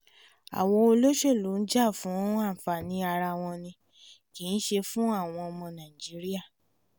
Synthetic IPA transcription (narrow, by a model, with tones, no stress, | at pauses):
a̰˨w̃ɔ̃˧o˧lo˦ʃe˦˨lu˨˦n̩˦d͡ʒa˦˨fũ˨˦ã˦˨fa˨nĩ˧˦a˧ɾa˧w̃ɔ̃˧nĩ˧ | ki˨˦n̩˦ʃe˧fũ˦a˦˨w̃ɔ̃˧ɔ˧mɔ̃˧nã˨i˨d͡ʒi˨˦ɾi˦a˦˨